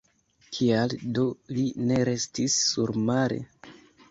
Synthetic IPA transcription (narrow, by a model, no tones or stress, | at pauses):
kʰialdo̞line̞ɾe̞stisːuɾmaɾe̞̰